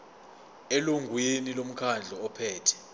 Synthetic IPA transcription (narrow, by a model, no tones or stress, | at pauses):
eluŋɡʱwinilom̩kʰand͡ɮʱɔːpʰɛːtʰɛ̥